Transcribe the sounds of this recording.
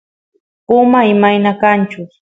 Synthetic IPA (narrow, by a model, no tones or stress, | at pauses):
ʊmaɪmajnakant͡ʃʊ